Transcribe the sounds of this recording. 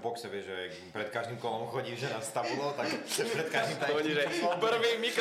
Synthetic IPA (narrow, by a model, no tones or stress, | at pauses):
bɔksɛbɛʒɛ | pɾɛt̪kaʒd̪imkɔlɔmxɔɟiːʒɛnast̪abulɔt̪akpɾɛt̪kaʒd̪imɔɲiʒɛpɾ̩ʋiːmik